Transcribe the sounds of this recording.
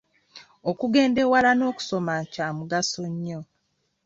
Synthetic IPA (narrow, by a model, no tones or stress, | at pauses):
okuɡe̞ːnde̞walano̞ːku̥so̞macaːmuɡaso̞ɲːo